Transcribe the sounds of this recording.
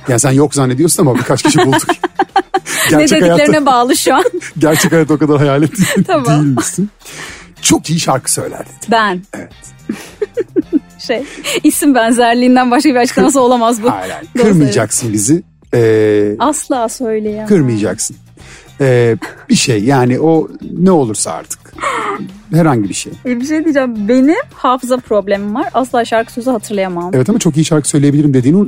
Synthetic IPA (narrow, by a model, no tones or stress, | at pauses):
jaːnisænjo̞kzanːed̪ijo̞ɾsunamabikʰat͡ʃcʰiʃibuld̪uk | ɟæɾedt͡ʃɛelhaijatleɾinɛbaːlˠɯʃuanɟæɾt͡ʃʰɛkhajaːt̪̬ːokad̪aɾɦajaːlʲɛt̪ʰːiit̪ʰabd̪ijilʲmisin | t͡ʃʰo̞kijiʃaɾkʰɯ̥sø̞̰jlʲæ̰ɾd̪ɪ̥bænevɛt̪ | ʃejisinbænzæɾlʲiːnd̪ænbaʃ̬kʰabiat͡ʃklamasao̞lˠamazbua̰ɾa̰kʰɯɾmɯjd͡ʒaksɯnbizɪ | ɛːaslˠaːsø̞jlʲejakʰɯɾmɯjad͡ʒa̰ksɯn | ɛːb̥iʃejːaːniʔo̞nɛo̞lˠuɾsaa̰ɾt̪ʰɯ̥k | hɛɾhaɲɟibiʃḛjebiʃ̬ejd̪iːd͡ʒaːmbe̞nihaːfɯzapʰɾo̞blʲemimvaɾaslˠaːʃaɾkʰɯ̥søzyhat̪ʰɯɾlˠajamaɛvɛt̪amat͡ʃʰo̞kijiʃaɾkʰɯ̥sø̞jlʲejebiiɾimd̪ed̪iːnu